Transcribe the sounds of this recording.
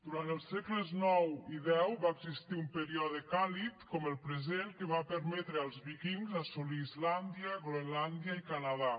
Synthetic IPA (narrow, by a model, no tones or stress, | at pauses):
d̪uɾant̪əlˠsːɛkləznɔwiðɛwβaeɡzist̪iumpəɾiɔðəkalit̪kɔməlˠpɾezenkəβapəɾmɛt̪ɾəalˠzβikiŋzasuliːzland̪jəɣleland̪jaikanaða